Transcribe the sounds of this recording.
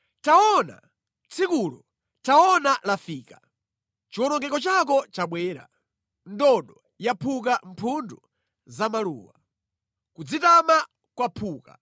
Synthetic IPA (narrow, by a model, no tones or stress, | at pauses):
taɔna̰ | t͡sʰikulɔ | taɔnalafiːkḁ | t͡ʃiwɔnɔŋɡɛkɔt͡ʃakɔt͡ʃaɓwɛːɾa̰ | ndɔɗɔ | japʰuk̬am̩pʰundu | zamalṵːwa | kud͡zitama | kwapʰuːka̰